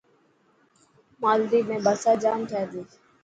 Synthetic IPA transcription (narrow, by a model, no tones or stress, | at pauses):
maːld̪iːmẽːbəsaːd͡ʒaːmʈʰɛːd̪iː